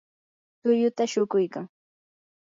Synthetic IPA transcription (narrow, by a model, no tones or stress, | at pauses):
t̪ʊjʊt̪aʃʊkʊjkaŋ